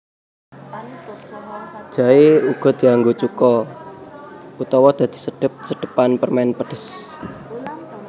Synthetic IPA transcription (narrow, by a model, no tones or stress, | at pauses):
ʒ̥aeuɡ̥ɔ̤d̪̥i̤aŋɡot͡ʃukɔ | ut̪ɔwɔd̪̥a̤d̪̥i̤̥səɖ̥ə̤p̚sədɖ̥ə̤panpərmanpəɖ̥əs